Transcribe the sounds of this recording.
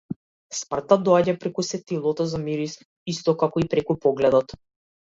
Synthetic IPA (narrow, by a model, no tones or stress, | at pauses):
spr̩t̪ad̪ɔaɟapɾɛkusɛt̪ilˠɔt̪ɔzamiɾis | ist̪ɔkakɔipɾɛkupɔɡlɛd̪ɔt̪